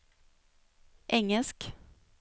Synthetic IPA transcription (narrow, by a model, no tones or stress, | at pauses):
ʔɛŋːəlsk